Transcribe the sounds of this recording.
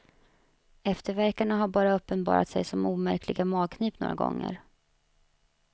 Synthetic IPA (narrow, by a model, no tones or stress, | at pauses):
ɛft̪əɾvæɾkaɳaɦaɾbɑːɾaɵpːənbɑ̰ːɾa̰t̪sɛjsɔmuːmæɾkʰlɪɡamɑːɡ̚kʰniːpno̰ːɾaɡɔ̰ŋːə̰ɾ